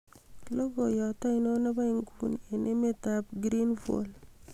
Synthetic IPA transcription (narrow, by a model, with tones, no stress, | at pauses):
lo˦ko˨jɔ˨ta˦ino˦na˦ba˦iŋɡune˨nʔe˦me˦tap̚ɡɾinfo̰l